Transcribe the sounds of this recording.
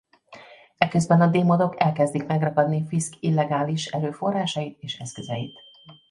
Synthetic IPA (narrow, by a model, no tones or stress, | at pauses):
ɛkø̞zbɛnɒd̪eːmod̪o̞kɛlkɛzd̪ikmɛɡrɒkɒd̪nifiskilːɛɡaːliʃɛløːfo̞rːaːʃɒjit̪eːʃɛskøzɛjit̪